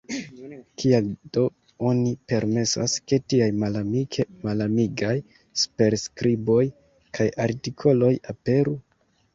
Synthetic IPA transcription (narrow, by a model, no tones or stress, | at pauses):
kʰiald̥o̞ | o̞nipe̞ɾme̞sa̰ske̞tiajma | malamiɡaj | spe̞ɾskɾibo̞j | kʰajʔaɾtikʰo̞lo̞jape̞ɾu